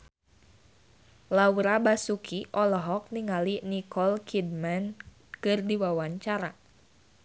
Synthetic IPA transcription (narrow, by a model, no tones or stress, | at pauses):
lawuɾabasukʰiʔɔlɔɦɔk̚niŋalinikʰɔlkʰid̚man | kɨrdiwawaɲt͡ʃaɾa